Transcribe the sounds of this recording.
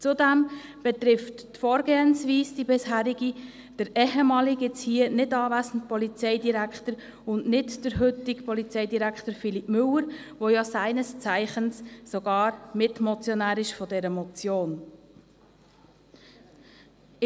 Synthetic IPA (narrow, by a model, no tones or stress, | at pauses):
t͡sudæmb̥ɛt̪ɾɪfttfɔːɾɡeːənsʋiːsd̥ibɪshæːɾiɡi | d̥əɾɛɦɛmɑːliɡɪt͡shiːənɪdɑːʋæːzən̩t̚pɔlit͡sɛɪdiɾækχtəɾ | ʊndnɪdd̥əɾɦʏtikpɔlit͡sɛɪdiɾækχtəɾfilipmʏləɾʋojɑsæɪnəst͡sæɪχənsːoɡ̥ɑːɾmɪtmɔt͡sjɔnæːɾɪʃfɔdɛɾəmɔt͡sjoːn